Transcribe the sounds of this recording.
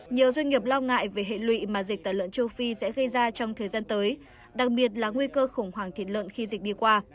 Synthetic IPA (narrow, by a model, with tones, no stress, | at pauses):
ɲi˨˩əwzwa˧ŋ̟ŋi˨˩əp̚lɔ˧wŋa̰ː˧˨jve˨˩ɦḛ˧˨lwḭ˧˨maː˨˩zi˨˩k̚t̪aː˧˩lə̰˧˨nt͡ɕə˧wfi˧sɛ̰˧˥ɣə˧jzaː˧t͡ɕɔ˧wŋ͡mt̪ʰəː˨˩jzaː˧nt̪əː˨˦j | ɗa˨˩k̚ɓi˨˩ət̚laː˨˩ŋwi˧kəː˧xʊ˧˩wŋ͡mhwaː˨˩ŋt̪ʰi˧˩t̚lwə̰˧˨nxi˧zï˨˩k̚ɗi˧kwaː˧